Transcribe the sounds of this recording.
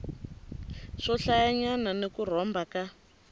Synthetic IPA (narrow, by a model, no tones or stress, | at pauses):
ʂɔɬajaɲananekur̤ɔmbaka